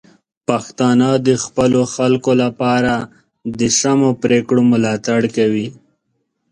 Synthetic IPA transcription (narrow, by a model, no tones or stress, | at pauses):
paxt̪ɑnad̪əxpəloxalkolapɑɾa | d̪əsamopɾekɽomʊlɑt̪aɽkawi